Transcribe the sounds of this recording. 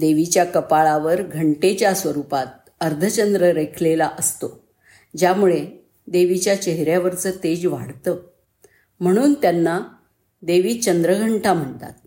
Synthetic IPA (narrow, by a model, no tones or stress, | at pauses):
d̪eʋit͡ɕjakəpaɭaʋəɾɡʱəɳʈet͡ɕjasʋəɾupat̪̚ | əɾd̪ʱət͡ɕənd̪ɾəɾekʰlelaʔəst̪o | d͡ʑjamuɭe | d̪eʋit͡ɕjat͡ɕeɦɾjaʋəɾt͡sət̪ed͡ʑʋa̰ɽt̪əː | m̤əɽ̃uːnt̪janːa | d̪eʋiːt͡ɕənd̪ɾəɡʱəɳʈʰam̤əɳt̪a̰t̪̚